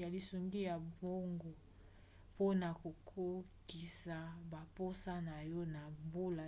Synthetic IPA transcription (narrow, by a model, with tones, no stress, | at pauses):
a˨li˨su˨ŋɡi˦ja˨bo˦ŋɡo˨ | po˦na˨ko˨kʰo˦ki˨sa˨ba˨po˦sa˦na˨jɔ˦na˨mbu˦la˨